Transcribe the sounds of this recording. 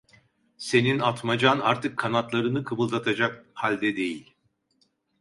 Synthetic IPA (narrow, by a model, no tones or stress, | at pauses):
se̞ninat̪mad͡ʒanaɾt̪ʰɯkʰːanat̪lˠaɾɯnɯkʰɯbɯlˠt̪ʰat̪ʰad͡ʒak̚halʲd̪ɛd̪e̞jilʲ